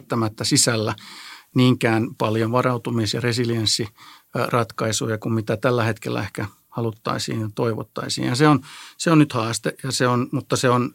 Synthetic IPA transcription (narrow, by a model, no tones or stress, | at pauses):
t̪ːæmæt̪ːæsisælːæniːŋkæːnpɑljoʋʋɑrɑut̪umiesjɑresilijensːirɑt̪kɑisujɑkummit̪æt̪ælːæhet̪kḛlːæ̰ehkæ | hɑlut̪ːɑ̰isḭːnjɑt̪oiʋo̰t̪ːɑ̰isḭːnjɑseonseonnyt̪hɑːst̪eʔjɑseonmut̪ːɑseon